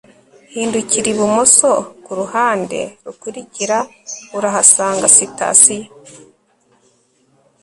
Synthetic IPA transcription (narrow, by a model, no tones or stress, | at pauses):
hiːnduciɾiβumosokuɾuhaːnde̞̰ɾukuɾiciɾauɾaɦasaːŋɡasita̰sije